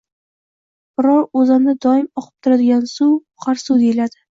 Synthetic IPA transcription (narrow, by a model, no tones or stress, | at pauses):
b̥ɾɒɾozamnɪd̪ɒɪmɒqʰɨ̥p̚t̪ʰʊɾad̪ɪɡʲansu | qʰɑɾsud̪elad̪ɪ